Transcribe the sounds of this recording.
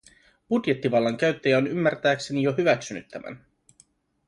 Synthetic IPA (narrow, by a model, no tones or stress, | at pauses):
b̥udje̞t̪ːiʋɑlːɑŋk̟æɥt̪ːæjæonymːært̪æːkse̞nijo̞ɦyʋæksynyt̪ːæmæ̰n